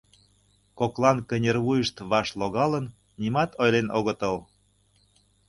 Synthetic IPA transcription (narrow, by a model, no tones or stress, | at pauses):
koklˠɑnkə̆nʲerβujə̆ʃt̪βɑʃloɣɑlə̆n | nʲimɑt̪ojlenʔoɣə̆t̪əl